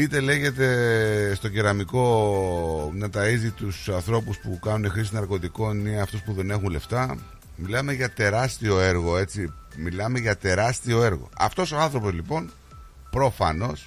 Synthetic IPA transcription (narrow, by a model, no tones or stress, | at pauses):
it̪e̞le̞ʝe̞t̪e̞st̪o̞ɟeɾɐmiko̞ | nɐt̪ɐizit̪usɐnθɾo̞puspukɐnune̞xɾis̬inɐɾko̞t̪iko̞nineɐft̪o̞spuðe̞nexunle̞ft̪ɐ | milɐme̞ʝɐt̪e̞ɾɐst̪io̞e̞ɾɣo̞e̞t͡similɐme̞ʝɐt̪e̞ɾɐst̪io̞e̞ɾɣo̞̰ɐ̰ft̪o̞so̞ɐnθɾo̞po̞zlipo̞n | pɾo̞fɐ̰no̞s